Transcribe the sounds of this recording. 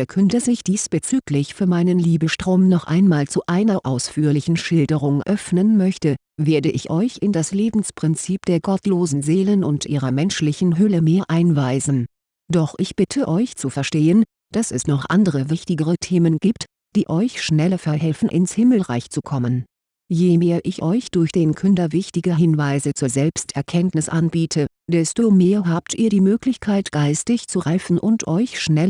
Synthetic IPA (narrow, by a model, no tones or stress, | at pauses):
ɐkʰœntəzɪçd̥iːsb̥ət͡syːklɪçfyːɐmaɪnənliːbəʃtʁ̥oːmnɔχʔa̰ɪnmaːlt͡suʔaɪnɐʔaʊsfyːɐlɪçn̩ʃɪldəʁ̞ʊŋʔœfnənmœçtə | veːɐdəʔɪçʔɔʏçɪndasleːbm̩spʁ̥ɪnt͡siːp̚d̥eːɐɡɔtloːzn̩zeːlənʊntʔiːʁɐmɛnʃlɪçn̩ɦʏləmeːɐʔaɪnvaɪzn̩ | d̥ɔχʔɪçb̥ɪtʰəʔɔʏçt͡sufɛɐʃteːən | d̥asɛsnɔχʔa̰ndəʁəvɪçtɪɡəʁətʰeːmənɡiːpt | d̥iːʔɔʏçʃnɛlɐfɛɐɦɛlfn̩ʔɪnshɪml̩ʁa̰ɪçt͡sukʰɔmən | jemeːɐʔɪçʔɔʏçd̥ʊɐçd̥eːnkʰʏndɐvɪçtɪɡəɦɪnvaɪzət͡suːɐzɛlpstʔɛɐkʰɛntnɪsʔanbiːtʰə | d̥ɛstomeːɐɦaːp̚tʰʔiːɐɾiːmøːklɪçkʰaɪtɡ̥aɪstɪçt͡suʁaɪfn̩ʔʊntʰʔɔʏçʃnɛl